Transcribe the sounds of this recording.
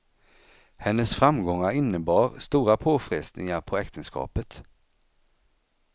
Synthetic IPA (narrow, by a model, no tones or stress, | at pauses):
hɛnːəsfɾamɡɔŋːaɾɪnːəbɑːɾst̪uːɾapʰoːfɾɛsnɪ̰ŋaɾpʰɔɛkt̪ʰənskɑ̰ːpət̪